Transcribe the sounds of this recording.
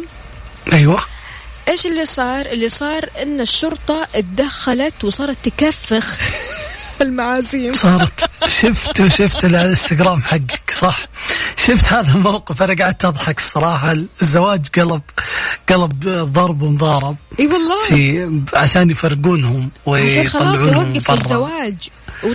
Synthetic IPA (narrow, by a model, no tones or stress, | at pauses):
ʔajwa | ʔeːʃɪlːisˤɑːɾˤʔɪlːisˤɑːɾˤʔɪnːaʃːʊɾt̪ˤɑʔt̪d̪axːalat̪wsˤɑːɾˤɑt̪ːkafːɪx | ɪlmaʕaːziːmsˤɑːɾˤt̪ʃɪft̪wʃɪft̪ɪlalɪst̪ɪɡɾaːmħaɡːɪ̥ksˤɑħʃɪft̪haːðalmawqɨfʔaɾaɡaʕɪd̪̚t̪ɨðˤħɑksˤɑɾˤɑːħɑlzːawaːd͡ʒɡɑlɑbɡ̥ɑlɑbðˤɑɾˤbwʊmʊðˤɑːɾˤɪb̚iwɑlˤːɑːfiʕaʃaːnjfɑrːɡuːnhʊmwɪɑːʕuːnhʊmːfɑrˤːawaːd͡ʒ | w